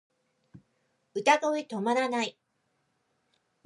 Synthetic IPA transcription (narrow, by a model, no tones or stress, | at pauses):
ɯ̟t̪at̪oit̪o̞maɾanai